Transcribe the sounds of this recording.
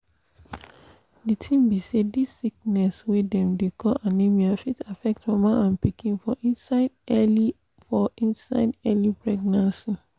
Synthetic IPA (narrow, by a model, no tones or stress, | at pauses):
ditʰĩmbisedisːik̚nɛswedɛ̃mdekʰɔʔanimiafitafɛk̚tmɔmaãnpikʰĩnfɔʔĩsal | fɔĩnsaɪdɛlipʰɹɛɡnãnsi